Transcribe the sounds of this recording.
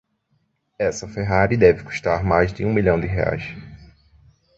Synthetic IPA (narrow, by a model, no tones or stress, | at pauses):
ɛsɐfeɦaɾid̪ɛvɪku̥ʃt̪aɾmajzd̪ɪũmiʎɐ̃w̃d̪ɪɦea̰js